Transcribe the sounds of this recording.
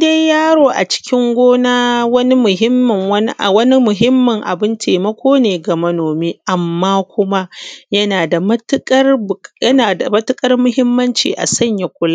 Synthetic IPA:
de˦jjaː˦ɽoː˨ʔa̰˨t͡ʃɪ̥˦kʲɪ˦ŋɡʷoː˦naː˦wɐ˦ni˦mʊ˨ɦɪ˦mːɐ˨ŋwɐ˦n˦ʔwɐ˦ni˦mʊ˨ɦɪ˦mːɐ˨ŋʔa̰˨bɪ˦ntʰeː˨mɐ˦kʷoː˦neː˨ɡa˨mɐ˦noː˨meː˦ʔa˨mːaː˦kʷʊ˦ma˦jɐ˦naː˨da˨mɐ˦tkʼɐ˦rbjɐ˦naː˨da˨mɐ˦tʊ˦kʼɐ˦rmʊ˦ɦɪ˦mːɐ˦nt͡ʃḭː˨ʔa̰˨sɐ˦˨ɲja˨kʷʊ˦la˦

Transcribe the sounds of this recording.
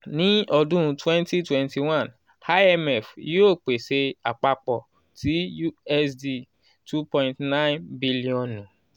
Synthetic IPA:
nĩ˨˦ɔ˧dũ˦˧twɛ̃˦nti˦twɛ̃˦nti˨wã˦˨n | ha˦ɛ˦mɛ˨fi˦o˦˨k͡pe˨se˧a˨k͡pa˧k͡pɔ˨ | ti˨˦ju˦ɛ˦sdi˦ | tʰu˦pɔ̃˦ĩntnã˦nbi˦li˦ɔ̃˨nũ˨

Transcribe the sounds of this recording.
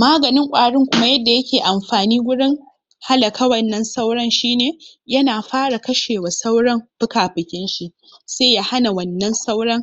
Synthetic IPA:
maː˦ɡɐ˨nɪ˦ŋkʷʼaː˨ɽɪ˦ŋkʷʊ˦ma˦jɐ˦dːa˨jɐ˦kʲeː˨ʔa˨mɸaː˨niː˦ɡʷʊ˦ɽɪ˦ŋ | ha˦lɐ˨kʰa˦wɐ˦˨nːɐ˦nsa˦wɽɐ˦nʃiː˦neː˨ | jɐ˦naː˨ɸaː˦ɽa˨kɐ˦ʃeː˨wa˨sa˦wɽɐ˦mɸɪ˦kaː˨ɸɪ˨kʲɪ˦nʃi˨ʔ | se˦ja˦ha˦na˨wɐ˨nːɐ˦nsa˦wɽɐ˦ŋ

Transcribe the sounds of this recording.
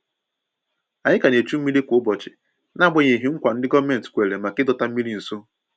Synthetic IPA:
a˨ɲɪ˦ka˨ne˨t͡ʃu˦m̩˦mi˦le˦kʷʊ˦bɔ˨t͡ʃɪ˨ | na˦˨ɡ͡bʊ˦ɲe˨ɦi˦ŋ̩˦kʷa˨n̩˦dɪ˦ɡɔ˦me˦n̩˨tkʷe˨le˨ma˨kɪ˦dɔ˨ta˦m̩˦i˦ɾi˨n̩˨so˦

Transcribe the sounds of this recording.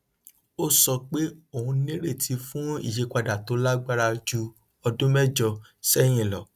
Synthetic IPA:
o˦sɔ˧k͡pe˦o˨hũ˧nĩ˦ɾe˦˨tʰi˨˧˦fũ˦ḭ˦˨ʃe˨˧ka˧da˨to˨˦la˦ɡ͡ba˦ɾa˧d͡ʒu˧ | ɔ˧dũ˦mɛ˦˨d͡ʒɔ˧sɛ˦j̃ĩ˦˨lɔ̰˨

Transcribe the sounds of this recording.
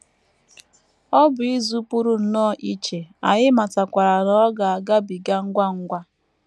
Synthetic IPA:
ɔ˦bʊ˨i˦zu˦pu˦ɾu˦n̩˨nɔː˦˨ʔi˦t͡ʃe˨a˨ɲɪ˦ma˨ta˨kʷa˨ɾa˨ɾɔ˦ɔ˦ɡa˨ɡa˦bi˨ɡa˦ŋ̩˦ɡʷa˦ŋ̩˦ɡʷa˦

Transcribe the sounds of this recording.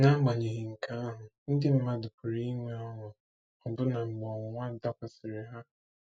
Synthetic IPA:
na˦ɡ͡ba˨ɲe˨ɦɪ˨ŋ̩˨ka˦a˦ɦʊ˨n̩˦dɪ˦m̩˦ma˦dʊ˨pʊ˨ɾi˦ŋʷe˦a˦ɦʊ˨ | ɔ˨bʊ˦na˨ŋ͡m̩˨ɡ͡bɔ˨ŋ˨ŋʷa˦da˦kʷa˨sɪ˨ɾɪ˨ɦa˦

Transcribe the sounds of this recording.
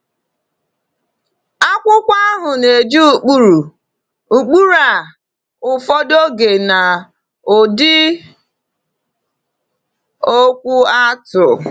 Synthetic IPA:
a˦kʷʊ˦kʷa˦ɦʊ˨ne˨d͡ʒu˦˨k͡pu˦ɾu˨ | u˨k͡pu˦ɾa˨ | ʊ˨fɔ˦do˦ɡe˨na˨ | o˨dɪ˦ | o˦kʷu˦a˦tʊ˨

